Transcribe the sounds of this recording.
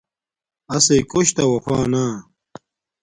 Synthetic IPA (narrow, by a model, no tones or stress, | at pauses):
ɐsekoɕt̪ɐwɐxaːna